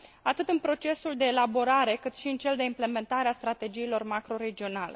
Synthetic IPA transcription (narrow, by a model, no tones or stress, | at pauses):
at̪ɨt̪ɨnpɾo̞t͡ʃe̞suld̪e̞ːlabo̞ɾaɾe̞kɨt̪ʃiɨnt͡ʃe̞ld̪e̞imple̞me̞nt̪aɾeast̪ɾat̪e̞d͡ʒiːlo̞rmakɾo̞ɾe̞d͡ʒio̞nale̞